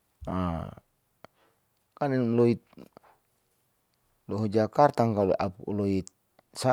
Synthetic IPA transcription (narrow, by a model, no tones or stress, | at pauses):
a | kanɛlɔit̪̚ | lɔɦɔd͡ʒakart̪aŋkaluʔapulɔit̪̚ | sa